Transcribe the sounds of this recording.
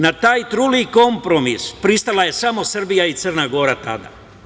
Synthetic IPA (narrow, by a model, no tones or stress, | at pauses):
nat̪aːjt̪ɾuliko̞mpɾo̞mispɾist̪alaje̞samo̞sr̩bijait̪sərnaɡo̞ːɾat̪a̰d̪a̰